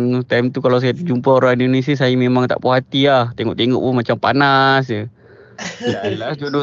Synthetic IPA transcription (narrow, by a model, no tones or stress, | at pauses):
t̪amt̪ukalaws̬ajad͡ʒumpaoɾaŋindones̬asajamemaŋt̪a̰ʔpuɦat̪iaht̪eŋɔ̰ʔt̪eŋɔ̰ʔpʊnmat͡ʃampanasə | alasdudo